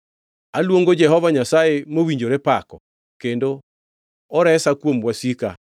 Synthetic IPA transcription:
alwoŋɡod͡ʒɛɦɔvaɲasaemowiɲd͡ʒoɾepakɔ | kendo | ɔɾɛsakwomwasika̰

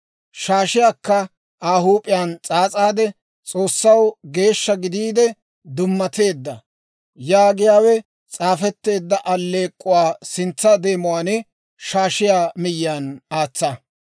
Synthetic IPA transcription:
ʃaːʃɪjaːkːɐ | aːɦuːpʼɪjaːnt͡sʼaːt͡sʼaːd̪ɛ | t͡sʼo̞ːsːɐwɡe̞ːʃːɐɡɪd̪iːd̪ɛ | d̪ʊmːɐt̪e̞ːd̪ːɐ | jaːɡɪjaːwɛ | t͡sʼaːfɛt̪ːe̞ːd̪ːɐʔɐlːe̞ːkʼːʊwaːsɪnt͡sːɐd̪e̞ːmʊwaːnɛ | ʃaːʃɪjaːmɪjːaːnaːt͡sːɐ

